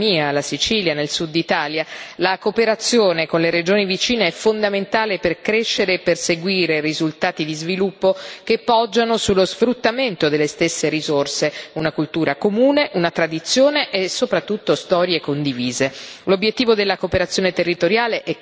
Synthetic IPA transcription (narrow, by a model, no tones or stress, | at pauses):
iːalasit͡ʃiːljanelsud̪ːit̪aːljalakopeɾat̪sːjoːnekonleɾed͡ʒoːnivit͡ʃiːneɛfːond̪ament̪aːleperkɾeʃːeɾeːperseɡwiːɾerizult̪aːt̪id̪izvilupːokepːɔd͡ʒːanosulːozfɾut̪ːament̪od̪elːest̪esːeɾizorseunakult̪uːɾakomuːneʔunat̪ɾad̪it̪sːjoːneʔːsːopɾat̪ːut̪ːost̪ɔːɾjekond̪iviːzelobːjet̪ːiːvod̪elːakopeɾat̪sːjoːnet̪erːit̪oɾjaːleʔɛ